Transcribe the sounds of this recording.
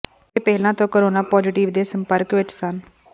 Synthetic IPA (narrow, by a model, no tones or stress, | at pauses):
t̪eːpɛːlãːt̪õːkoɾoːnaːpɔːd͡ʒɪʈiʋd̪eːsəmpəɾkʋɪt͡ʃsən